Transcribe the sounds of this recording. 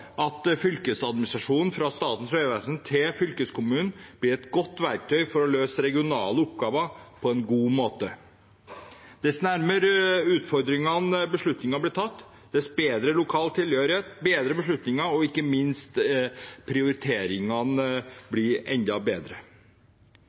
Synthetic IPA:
ʔɑt̪fʏlkəsɑd̪mɪnɪst̪ɾɑʂuːnn̩fɾɑst̪ɑːt̪n̩sʋeːʋæsənt̪ʰɪlfʏlkəskʰʊmʉːnn̩b̥lɪɾɛt̪ɡɔt̪ːʋæɾk̚t̪ʰœʏfɔɾɔløːsəɾɛɡɪʊnɑ̰ːləʊpɡɑːʋəpʰɔɛnɡuːmoːt̪ə | d̪̥ɛsnæɾməɾʉːt̪fɔɾd̪ɾɪŋɑnbəʂɭʉt̪nɪŋɑblɪt̪ʰɑt̪ː | d̪̥ɛsbeːd̪ɾəlʊkʰɑːlt̪ʰɪlhøːɾɪeːt̪̚beːd̪ɾəbəʂɭʉt̪nɪŋɑɔɪkːəmɪnst̪pʰɾɪʊɾɪt̪ʰeːɾɪŋɑnblɪɾɛ̰nd̪ɑbeːd̪ɾə

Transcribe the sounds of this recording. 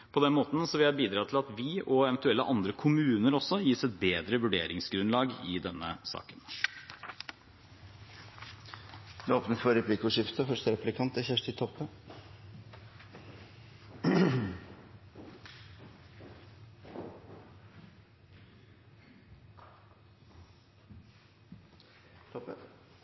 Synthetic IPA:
pʰɔd̪ɛnmoːt̪n̩sɔʋɪɑɾbiːd̪ɾɑːt̪ʰɪlɑt̪ʋɪʔɔɛʋɛnt̪ʉɛlːəʔɑnd̪ɾəkʰʊmʉːnəɾɔsːɔjiːsɛt̪̚beːd̪ɾəʋʉɖḛːɾɪŋsɡɾʉnlɑːɡɪd̪ɛnːə̰sɑ̰ːkən | d̪ɛoːpnəfɔɾɛpʰliːkʊʂɪft̪əfœʂtəɾɛpʰlɪkʰɑnt̪æçæʂʈ̪ɪt̪ʰɔpːə

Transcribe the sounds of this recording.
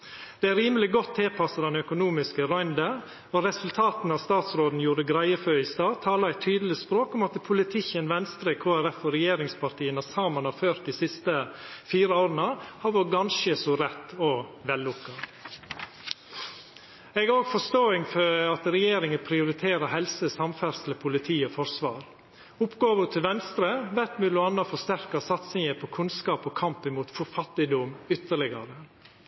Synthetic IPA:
d̪̥ɛæɾiːməlɪɡɔt̪ʰːɛːpʰɑsɑd̪ɛnœkʊnuːmɪskəɾɑʏnd̪ə | ɔɾɛsʉlt̪ʰɑːt̪n̩ɑʋst̪ɑːt̪sɾoːd̪n̩juːɾəɡɾæɪəføːɪst̪ɑːt̪ʰɑːlɑæɪt̪ʰːyːd̪əl̩ɪspɾoːkɔmɑt̪pʰʊlɪt̪ʰɪçənʋɛnst̪ɾəkʰoːæɾɛfɔɾɛjeːɾɪŋspʰɑɾʈ̪iːənɑsɑːmənhɑføːɾt̪̚d̪iːsɪst̪əfiːɾəoːɾənəhɑʋɔɡɑnʃəsɔɾɛt̪ːɔʋɛlːʊkːɑ | ɛɡæɾoːɡfɔʂt̪oːɪŋfɔɑt̪ɾɛjeːɾɪŋəpʰɾɪʊɾɪt̪ʰeːɾəhɛlsəsɑmfæɾsləpʰʊlɪt̪ʰiːəfɔɾsʋɑːɾ | ʊpɡɑːʋət̪ʰɪlʋɛnst̪ɾəʋæt̪mʉːlɔɑnːɑfɔst̪æɾkɑsɑt̪sɪŋəpʰɔkʰʉnskɑːpɔkʰɑmpɪmuːt̪fɔɾfɑt̪ːɪd̪ʊmʏt̪ːəɭɪɡɑɾə

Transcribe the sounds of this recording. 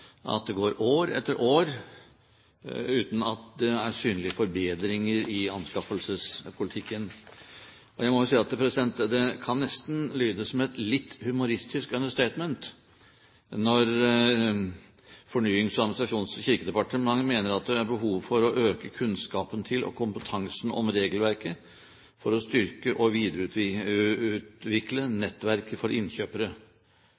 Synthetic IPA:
ʔɑ̰t̪̚d̪ɛɡoːɾoːɾɛ̰t̪ːəɾʔoːɾ | ʉːt̪n̩ɑt̪̚d̪ɛæɾsyːnlɪəfɔɾbeːd̪ɾɪŋəɾɪɑnskɑfəlsəspʰʊlɪt̪ʰɪkːən | ʔɔjæɪmɔʋʊsiːəɑt̪pʰɾɛsɪd̪ɛnt̪əd̪ɛkʰɑnːɛst̪n̩lyːd̪əsmɛɛt̪lɪt̪ʰːhʉmʊɾɪst̪ɪskœnəʂt̪eɪt̪mɛnt̪ | nɔɾ | fɔɳyːɪŋsɔɑd̪mɪnɪsɾɑʂuːnsçɪɾkəd̪ɛpɑʈəmɑŋːmeːnəɾɑt̪̚d̪ɛæɾbəɦuːʋfɔɾɔʔøːkəkʰʉnskɑːpənt̪ʰɪlʔɔ̰kʰʊmpət̪ʰɑŋsnɔ̰mɾeːɡəlʋæɾkə | fɔɾɔst̪ʏɾkəʔɔʋiːd̪əɾəʉːt̪ | ʉːt̪ʋɪklənɛt̪ːʋæɾkfɔɾʔɪnçøːpəɾə

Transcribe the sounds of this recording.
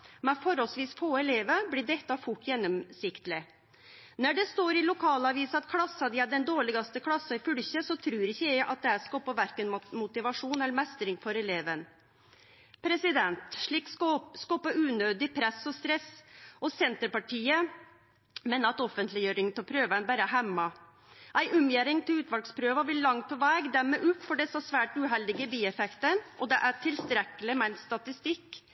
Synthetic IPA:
mɛfɔɾɔlsʋiːsfoːɛleːʋəblɪɖ̪ɛkt̪ɑfʊʈːjɛnːɔmsɪkt̪lɪ | næɖɛst̪oːɾɪlʊkʰɑːlɑʋiːsɑt̪kʰlɑsɑd̪ɪæɖɛnd̪oːɭɪɡɑst̪əkʰlɑsːɑɪfʏlçəsɔt̪ʰɾʉːɾɪçːəjæɪʔɑt̪̚d̪ɛæɾskɔpːɑʋæɾkənmʊt̪ɪʋɑʂuːnɛlːɾmɛst̪ɾɪŋfɔɾɛleːʋən | pʰɾɛsɪd̪ɛnt̪ʂɭiːkskɔpəʉːnøːd̪ɪpʰɾɛsɔst̪ɾɛsɔsɛnt̪əɾpɑʈʰiːə | mɛnɑt̪ɔfənt̪lɪjøːɾɪŋnt̪ʰɑlpʰɾøːʋəɛnbæːɾæɦæmːɑ | ʔæɪʔʉmjeːɾɪŋt̪ʰɪlʉːt̪ʋɑlkspʰɾøːʋəʋɪlːɑŋt̪̚pʰɔʋæːɡd̪æmɛʔʉːt̪fɔɖɛsɑsʋæːʈʉɦɛld̪ɪɡəbiːɛfɛkt̪ənʔɔd̪ɛʔæʈʰɪlst̪ɾɛkːəlɪmɛnsst̪ɑt̪ɪst̪ɪkː

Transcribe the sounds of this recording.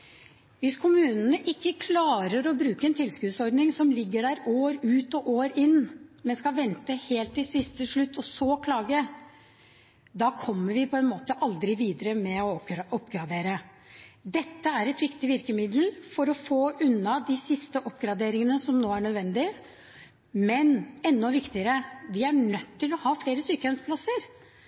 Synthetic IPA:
ʋɪskʰʊmʉːnənəʔɪkːəkʰlɑːɾəɾɔbɾʉːkəɛnt̪ʰɪlskʉːd̪sɔɾɖ̪nɪŋsɔmlɪɡːəɖæɾoːɾʉːt̪ɔʔoːɾɪnːmɛnskɑʋɛnt̪əheːlt̪ːɪlsɪst̪əʂɭʉt̪ːɔsɔkʰlɑːɡə | d̪ɑːkʰɔmːəɾʋɪpʰɔɛnmoːt̪əʔɑld̪ɾɪʋiːd̪əɾəmɛɔɔpːɡɾɑd̪eːɾə | d̪ɛt̪ːəæɾɛt̪ʋɪkt̪ɪʋɪɾkəmɪd̪l̩fɔɾɔfoːʔʉnːɑd̪ɪsɪst̪əʔɔpːɡɾɑd̪eːɾɪŋənəsɔmnoːæɳœd̪ʋɛnd̪ɪ | mɛnɛnːɔʋɪkt̪ɪəɾəʋɪæɳœt̪ʰːɪlɔhɑːfleːɾəsyːkəhœnspʰlɑsəɾ

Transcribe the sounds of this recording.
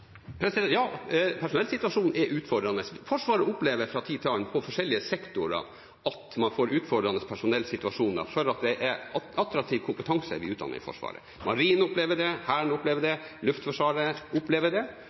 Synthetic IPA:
pʰɾɛsjɑːpʰæʂʊnɛlsɪt̪ʉɑʂuːnɛʔʉːt̪fɔɖ̪ɾɑnəsfɔʂʋɑːɾəʊpleːʋəɾfɾɑt̪ʰiːt̪ʰɑːnpʰɔfɔʂɛlːɪəsɛkt̪ʊɾə̰ | ʔɑt̪mɑnfoːɾʉːt̪fɔɖ̪ɾɑnːəspʰæʂʊnɛlsɪt̪ʉɑʂuːnd̪ɑ̰fɔɾɑt̪̚d̪ɛʔɛɑt̪ɾɑk̚t̪ʰiːʋkʰʊmpət̪ʰɑŋsə̰ʋɪʉːt̪d̪ɑ̰nːə̰ɾfɔ̰ʂʋɑ̰ːɾə̰ | mʔɑɾiːnʊpleːʋəɖɛhæːɳʊpleːʋəɖɛlʉft̪fɔʂʋɑːɾəʊpleːʋəɖɛ

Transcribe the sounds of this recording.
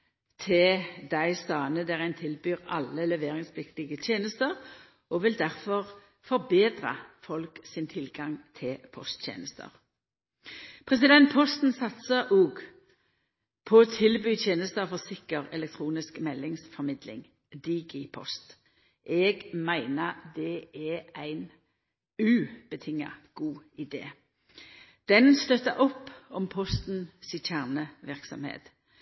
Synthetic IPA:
t̪ʰɪd̪æɪst̪ɑːnəd̪æːʁæɪnt̪ʰɪlbyːʁɑ̰lːəlɛʋeːʁɪŋspʰlɪkt̪ɪɡət̪ʰjeːnəst̪əʁ | ɔʋɪld̪æʁfɔʁ | fɔʁbeːd̪ʁə̰fɔlksɪnt̪ʰɪlɡɑŋt̪ʰɪlpʰɔ̰st̪tʰjḛːnəst̪ə̰ʁ | pʰʁɛs̬ɪd̪ɛnt̪̚pʰɔst̪n̩sɑt̪səʔuːɡ | pʰɔoːt̪ʰɪlbyːt̪ʰjeːnəst̪əfɔʁsɪkəʁɛlɛk̚t̪ʰʁuːnɪskmɛlːɪŋsfɔʁmɪd̪lɪ̰ŋ | d̪iːɡɪpʰɔ̰st̪ | ʔɛːɡmæɪnəd̪ɛɛæɪn | ʉːb̥ət̪ʰɪŋːɑ̰ɡ̥uːɪd̪ḛː | d̪̥ɛnst̪œt̪əʔɔpːɔmpʰɔst̪n̩sɪt̪ʰæʁnəʋɪʁksɔ̰mhḛːt̪

